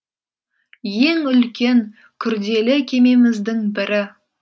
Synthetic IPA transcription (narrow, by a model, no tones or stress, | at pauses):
je̞ŋʏlkʲe̞ŋ | kʲʰʏɾd̪e̞lɪkʲʰe̞me̞mɪzd̪ɪŋbɪɾɪ